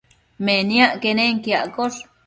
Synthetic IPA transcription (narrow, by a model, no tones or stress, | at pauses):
menjaʔkeneŋkijaʔkor